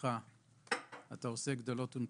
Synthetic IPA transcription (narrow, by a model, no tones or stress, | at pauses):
a | at̪aose̞ɡd̪olo̞t̪un